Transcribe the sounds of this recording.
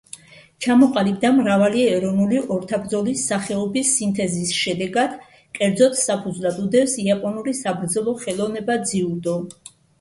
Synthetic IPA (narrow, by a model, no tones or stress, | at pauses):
t͡ʃʰamɔqʼalib̚d̪amɾavaliɛɾɔnuliʔɔɾt̪ʰabɾd̪zɔlisːaχɛɔbisːint̪ʰɛzisʃɛd̪ɛɡad̪̥ | kʼɛɾd̪zɔt̪ʰsapʰud̪zlˠad̪ud̪ɛpsiapʼɔnulisabɾd̪zɛlˠɔχɛlˠɔvnɛbad̪ziud̪ɔ